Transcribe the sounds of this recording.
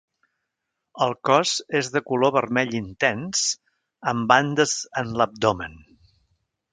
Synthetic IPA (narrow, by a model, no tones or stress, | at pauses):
əlˠkɔzezðəkuloβərmɛʎint̪ɛns | əmband̪əzənləp̚d̪omən